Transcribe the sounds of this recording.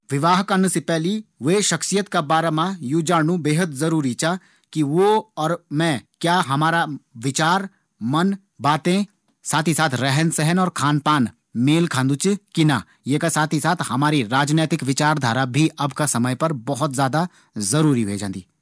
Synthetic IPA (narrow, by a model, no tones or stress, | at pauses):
ʋɪʋaːɦkɐɾnsepɛɦliʋeːʃɐksijət̪kabaːɾamãjud͡ʒaːɽnũbeːɦət̪zɐɾuːɾit͡ʃa | kiʋoɔːɾmɛ̃ːkjaːɦɐmaːɾaʋɪt͡ʃaːɾ | mɐn | baːt̪ẽ | saːt̪ʰisaːt̪ʰɾɛɦənsɛɦənɔːɾkʰaːnpaːn | meːlkʰãːnd̪ʊt͡ʃkina | jeːkasaːt̪ʰisaːt̪ʰhɐmaːɾiɾaːd͡ʒneːt̪ɪkʋɪt͡ʃaːɾd̪ʱaːɾabʱiɐbkasɐməjpɐɾbɔɦʊt̪zjaːd̪a | zɐɾuːɾiɦued͡ʒãːnd̪iː